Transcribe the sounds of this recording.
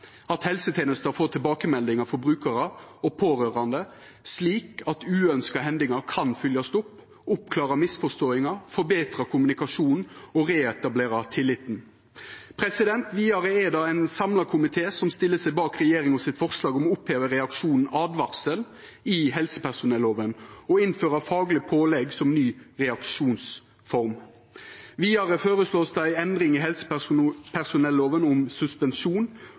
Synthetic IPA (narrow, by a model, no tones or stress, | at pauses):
ɑt̪hɛlsət̪ʰeːnəst̪əfoːt̪ʰɪlbɑːkəmɛld̪ɪŋɑfɔɾbɾʉːkəɾəɔpʰoːɾøːɾɑnd̪ə | sliːkɑt̪ʉːœnskɑɦɛnd̪ɪŋɑkʰɑnfʏljɑst̪ʊpː | ʊpkʰlɑːʁɑmɪsfɔst̪oːɪŋɑfɔɾbeːt̪ɾɑkʰʊmʉnɪkɑʃuːnn̩ɔʁeːɛt̪ɑbleːɾɑt̪ʰɪlːɪt̪n̩ | pʰɾɛsɪd̪ɛnt̪ʋiːɑɾəeːd̪ɑːɛɪnsɑmlɑkʰʊmɪt̪ʰeːsɔmst̪ɪlːəsæɪbɑːkʁɛjeːɾɪŋɔsɪt̪fɔʁslɑːɡɔmɔʊpheːʋəɾɛɑkʂuːnn̩ɑːd̪ʋɑʁsəl | ɪɦɛlsə̥pʰæʁsʊnɛlːoːʋənɔɪnføːɾəfɑːɡlɪpʰoːlɛɡsɔmnyːʁɛɑkʂuːns | fɔɾm | ʋiːɑɾəføːɾəsloːsd̪æɪɛnd̪ɾɪŋɪɦɛlsə̥pʰæʁsʊnɛlːoːʋənʊmsʉspɛnʃuːn